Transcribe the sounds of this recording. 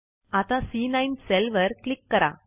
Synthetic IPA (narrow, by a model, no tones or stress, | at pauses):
at̪ãsinainselʋəɾklikːəɾa̰